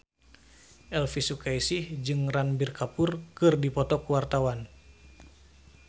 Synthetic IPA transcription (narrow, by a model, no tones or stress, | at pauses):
ʔɛlfisukaisihd͡ʒɨŋranbirkʰapurkɨrdipɔt̪ɔkuwart̪awan